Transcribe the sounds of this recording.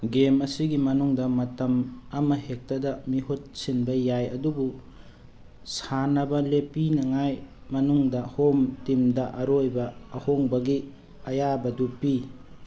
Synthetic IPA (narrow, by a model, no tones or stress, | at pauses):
ɡemɐsiɡimɐnuŋdɐmɐtɐmɐmɐhek̚tɐdɐmiɦut̚sinbɐjajɐdubu | sanɐbɐlepinɐŋajmɐnuŋdɐhomtimdɐʔɐɾojbɐːhoŋbɐɡi | ɐjabɐdupi